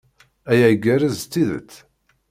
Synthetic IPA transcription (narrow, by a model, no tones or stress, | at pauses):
æjæɡæɾəzt͡s̪ːiðə̰t͡s̪ː